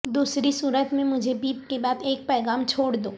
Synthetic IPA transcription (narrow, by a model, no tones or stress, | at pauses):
d̪uːsɾisuːɾət̪mẽmʊd͡ʒʱebiːp̚kebaːd̪eːk̚pɛːɣaːmt͡ʃʰoːɽd̪oː